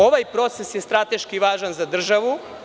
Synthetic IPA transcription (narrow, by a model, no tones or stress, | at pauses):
o̞ʋajpɾo̞t̪sesjest̪ɾat̪eʃkiʋaːʒanzad̪r̩ʒaʋu